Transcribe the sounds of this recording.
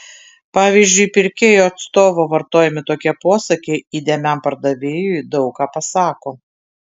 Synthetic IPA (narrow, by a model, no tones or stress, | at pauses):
pɑːʋʲiːzʲd͡ʒʲʊɪpʲɪɾʲkʲeːjoːɐt̪st̪oːʋoːʋɐɾt̪oːjɛmʲɪt̪oːkʲɛpoɔsɐkʲeiːd̪ʲeːmʲæmpɐɾd̪ɐʋʲeːjʊɪd̪ɒʊkkɑːpɐsɑːkoː